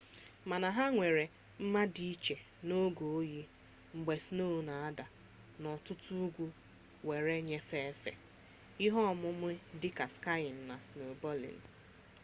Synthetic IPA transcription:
ma˨na˨ɦa˦ŋʷe˨ɾe˨ | m̩˦ma˦di˦i˦t͡ʃe˨ | no˦ɡo˨o˦ji˦ | ŋ͡m̩˨ɡ͡be˨sno˦˨na˨a˦da˨ | nɔ˨tʊ˦tu˦ɡʷu˦ | we˨ɾe˦ɲe˦fe˦fḛ˨ | i˦ɦɔ˦˨mʊ˦m˦ʊ˦dɪ˦ka˨ska˦ɪ˨n̩˨na˨sno˨bɔ˦lḭ˨n̩˨

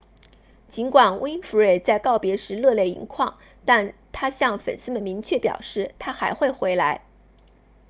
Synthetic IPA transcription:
t͡ɕi˧˥nkwa˨˩nwe˥i˥nfu˧˥ɻe˥˩ɪt͡sa˥˧ɪkɑ˥˩ʊpjɛ˧˥ʂɻ̩˧˥lɤ˥˧ljɛ˥˩ɪḭ˧˥ŋkʰwɑ˥˧ŋ | t̪a˥˩nt̪ʰa˥ɕjɑ˥˩ŋfə̰˨˩nsɹ̩˥mə˨nmi˧˥ŋt͡ɕʰɥɛ˥˩pjɑ̰˨˩ʊʂɻ̩˥˩t̪ʰa˥xa˧˥ɪxwe˥˩ɪxwe˧˥ɪla˧˥ɪ

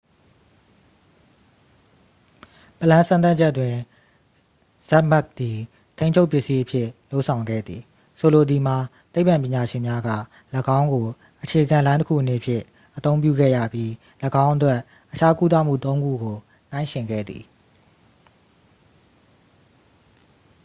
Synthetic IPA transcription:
pə˨lã˦nsã˦nt̪̬a˦t͡ɕʰɛ˦twɪ̃˨ | z̥ɛ˦ʔma˦k̚d̪i˨ | t̪ʰẽ˦ɪ̃ɲt͡ɕʰo˦ʊpjɪ˦ʔsi˦ʔəpʰjɪ˦˨lo˦ʊʔsʰã˨ʊ̃ŋɡɛ̰˦˨d̪ði˨ | so˨lo˨d̪i˨m̥a˨t̪e˦ɪʔpã˨pjɪ̃˨ɲa˨ʃɪ̃˨mja˦ɡä̰˦˨ | ləɡã˦ʊ̃ŋɡo˨ | ʔət͡ɕʰe˨ʔəɡã˨lã˦tə˦kʰṵ˦ʔənḛ˨əpʰjɪ̰̃˦˨ | ʔət̪õ˦ʊ̃mpjṵ˦˨ɡɛ̰˦˨ja̰˦˨pji˦ | ləɡã˦ʊ̃ʔətwɛ˦ʔ | ʔət͡ɕʰa˦ku˦t̪a̰˦˨m̥ṵ˦˨t̪õ˦ʊ̃ŋɡṵ˦˨ɡo˨ | nã˦ɪ̃ʃɪ̃˨ŋɡɛ̰˦˨d̪ðḭ˨

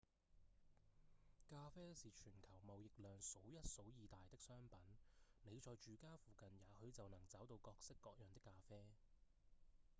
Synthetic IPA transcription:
kaː˧fɛː˥siː˨t͡ʃʰyː˨˩nkʰɐ˨˩wmɐ˨wjɪ˨k̚lœː˨ŋso˨˥wjɐ˥t̚so˨˥wjiː˨˧t̪aː˨jt̪ɪ˥k̚sœː˥ŋpɐ˨˥nne˨˧jt͡sɔː˨jt͡ʃyː˨kaː˥fuː˨˩kɐ˨njaː˨˧hɵ˨˧ɥt͡sɐ˨wnɐ˨˩ŋt͡sɐ˨˥wt̪o˧wkɔː˧k̚sɪ˥kːɔː˧k̚jœː˨˩ŋt̪ɪ˥kːaː˧fɛː˥

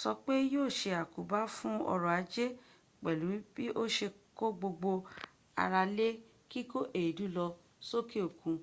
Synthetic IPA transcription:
sɔ˧k͡pe˦joː˦˨ʃe˧a˨ku˨ba˦fũ˦ɔ̰˧ɾɔ˨a˨˦d͡ʒe˦ | k͡pɛ˨lu˨˦bi˦ʔo˦ʃe˧ko˦ɡ͡bo˧ɡ͡bo˧ | a̰˧ɾa˧le˦ | ki˦ko˦ʔe˨i˨du˨˦lɔ˧ | so˦ke˦o˨kũ˨˧

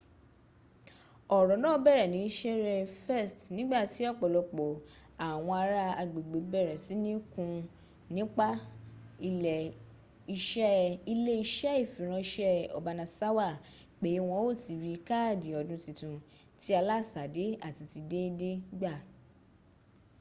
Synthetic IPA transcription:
ɔ˨ɾɔ˨nãː˦˨˦bɛ˦˨ɾɛ˨nĩ˨˦i˦ʃɛ˦ɾɛ˧fɛ˦˨stnĩ˨˦ɡ͡ba˦˨ti˨˦ɔ˦˨k͡pɔ˨lɔ˨k͡po˨a˨w̃ɔ̃˧a˧ɾa˦a˧ɡ͡be˨ɡ͡be˨bɛ˦˨ɾɛ˨si˨˦nĩ˦kũ˧ | nĩ˦k͡pa˦i˧lɛ˨ | i˧ʃɛ˦i˧le˦i˧ʃɛ˦i˦˨fĩ˨ɾ̃ã˧ʃɛ˦ɔ̰˨ba˧nã˧sa˦wa˦˨ | k͡pe˨˦w̃ɔ̃˧o˦˨ti˨ɾi˧ka˦˨di˨ɔ˧dũ˧˦ti˧tũ˧ | ti˨˦a˧la˦˨sa˨de˨˦a˦˨ti˧ti˧de˦de˦ɡ͡ba˦˨

